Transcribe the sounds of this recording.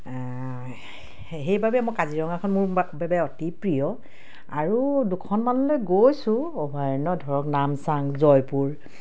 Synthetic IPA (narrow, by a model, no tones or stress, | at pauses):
ɦejbabɛmojkaziɹɔŋakʰɔnmuɹbɛbɛɔtipɹijɔ | aɹudukʰɔnmanɔlojɡojsʊ̃ɔbʱajɔnɔdʱɔɹɔknamsaŋzɔjpuɹ